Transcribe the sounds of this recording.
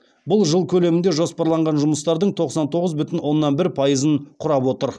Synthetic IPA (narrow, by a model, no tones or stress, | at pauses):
bʊlˠʒəlˠkʲʰɵle̞mɪnd̪eʒo̞spɑɾlˠɑɴʁɑnʒʊməst̪ɑɾd̪əɴt̪ʰo̞qsɑnt̪ʰo̞ʁəzbʏt̪ɪnwo̞nːɑnbɪɾpʰɑjəzəɴqʰʊɾɑpwo̞t̪əɾ